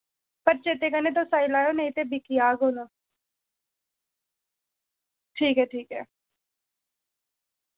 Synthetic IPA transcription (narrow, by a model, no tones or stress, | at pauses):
pəɾt͡ʃeːt̪ekənet̪̬osaːilaːjonẽɪt̪ebɪkijaːɡoːna | ʈʰiːkɦɛːʈʰiːkɦɛː